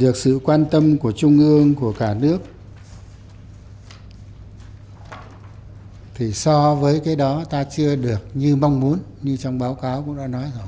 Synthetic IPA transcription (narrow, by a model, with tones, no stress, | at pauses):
ɗɨ˨˩ək̚sɨ̰˧˨kwaː˧nt̪ə˧mku˧˩ət͡ɕʊ˧ŋ͡mʔɨ˧əŋku˧˩əkaː˧˩nɨ˦˥ək̚ | t̪ʰi˨˩sɔ˧vəː˨˦jkaː˨˦jɗɔ˨˦t̪aː˧t͡ɕɨ˧əɗɨ˨˩ək̚ɲɨ˧ma˧wŋ͡mmu˨˦ən | ɲɨ˧t͡ɕɔ˧wŋ͡mɓaː˨˦wkaː˨˦wkʊ̰˧˥ŋ͡mta̰ː˧˥nɔ˨˦jzo˨˩